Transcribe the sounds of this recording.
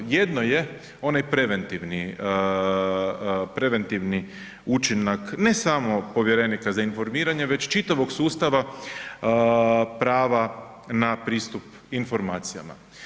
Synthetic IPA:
je̞d̪no̞je̞ | o̞najpɾe̞ʋe̞nt̪iʋni | pɾe̞ʋe̞nt̪iʋni | ut͡ʃinakne̞samo̞po̞ʋje̞ɾe̞nikazainfo̞ɾmiːɾaɲe̞ʋe̞t͡ɕt͡ʃit̪aʋo̞ɡsuːst̪aʋa | pɾaːʋa | napɾiːst̪up | info̞ɾmaːt̪sija̰ma̰

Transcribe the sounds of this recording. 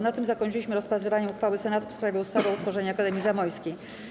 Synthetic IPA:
nat̪ɘmzakɔɲt͡ʃt͡ʂɘlʲiɕmɘɾɔspat̪ɾɘvaɲɛuxfawɘsɛnat̪ufspɾavʲjɛust̪avaut̪fɔʐɛɲakad̪ɛmʲizamɔjskʲej

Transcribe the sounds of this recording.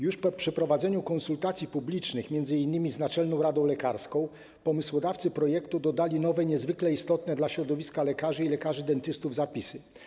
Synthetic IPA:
juʂpɔpʂɛpɾɔvad̪zɛɲukɔ̃nsult̪at̪sʲjipublʲit͡ʂnɘxmʲjɛnd̪zɘinːɘmʲiznat͡ʂɛlnɔ̃w̃ɾad̪ɔ̃w̃lɛkaɾskɔ̃w̃ | pɔmɘswɔd̪aft̪sɘpɾɔjɛkt̪ud̪ɔd̪alʲinɔvɛɲɛzvɘklɛist̪ɔt̪nɛd̪laɕɾɔd̪ɔvʲiskalɛkaʐɘilɛkaʐɘd̪ɛnt̪ɘst̪uvzapʲisɘ

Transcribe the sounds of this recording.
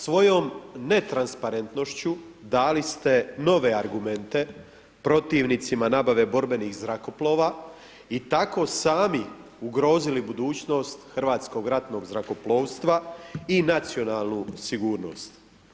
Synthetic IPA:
sʋo̞jo̞mne̞t̪ɾanspaɾe̞nt̪no̞ʃt͡ɕud̪aːlist̪e̞no̞ʋe̞aɾɡume̞nt̪e̞ | pɾo̞t̪iːʋnit̪simanaːbaʋe̞bo̞ɾbe̞nixzɾako̞plˠo̞ːʋaː | it̪ako̞ːsaːmi | uɡɾo̞ːzilibud̪uːt͡ɕno̞ːst̪xr̩ʋaːt̪sko̞ɡɾat̪no̞ɡzɾako̞plˠo̞ːʋst̪ʋainat̪sio̞naːlˠnusiɡuːɾno̞̰st̪

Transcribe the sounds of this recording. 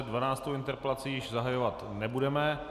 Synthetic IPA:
ɛdvanaːt͡st̪owɪnt̪ɛɾpɛlat͡siːjɪʒzaɦajo̞vat̪nɛbudɛmɛ

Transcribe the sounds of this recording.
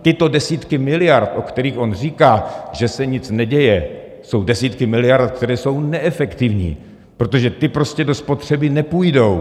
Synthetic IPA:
t̪ɪt̪o̞dɛsiːt̪kɪmɪlɪjaɾt̪ʔo̞kt̪ɛɾiːxʔo̞nr̝iːkaːʒɛsɛɲɪt͡snɛɟɛjɛ | so̞wdɛsiːt̪kɪmɪlɪjaɾt̪kt̪ɛɾɛːso̞wnɛʔɛfɛkt̪ɪvɲḭː | pɾo̞t̪oʒɛt̪ɪpɾo̞scɛdo̞spo̞t̪r̝̥ɛbɪnɛpujdo̞w

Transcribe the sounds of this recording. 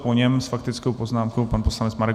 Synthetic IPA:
poɲɛmsfakt̪ɪt͡skowpoznaːmkowpanposlanɛt͡smaɾɛk

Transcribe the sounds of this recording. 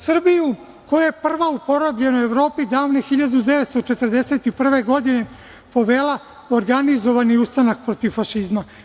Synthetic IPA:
sr̩biju | ko̞jejepr̩ʋaupo̞ɾobʎe̞noeʋɾo̞ːpid̪aːʋnexiʎad̪ud̪eʋet̪st̪ot͡ʃe̞t̪ərd̪ese̞ːt̪ipr̩ʋe̞ɡo̞d̪ine̞ | po̞ʋeːla | oɾɡanizo̞ʋaniust̪anak̚pɾo̞t̪iʋfaʃizma

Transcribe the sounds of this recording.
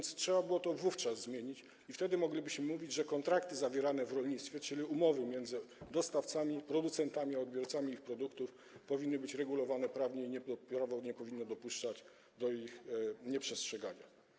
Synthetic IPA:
nt̪stʂɛbabɘwɔt̪ɔvuft͡ʂazzmʲjeɲit͡ɕ | ift̪ɛd̪ɘmɔɡlʲibɘɕmɘmuvʲid͡ʑʐɛkɔnt̪ɾakt̪ɘzavʲjɛɾanɛvɾɔlɲit̪st̪fʲjɛt͡ʂɘlʲiumɔvɘmʲjɛnd̪zɘd̪ɔst̪aft̪samʲipɾɔd̪ut̪sɛnt̪amʲiaɔd̪bʲjɔɾt̪samʲiixpɾɔd̪ukt̪uf | pɔvʲinːɘbɘt͡ɕɾɛɡulɔvanɛpɾavɲɛiɲɛpɾavɔɲɛpɔvʲinːɔd̪ɔpuʂt͡ʂat͡ɕ | d̪ɔixɲɛpʂɛstʂɛɡaɲa̰

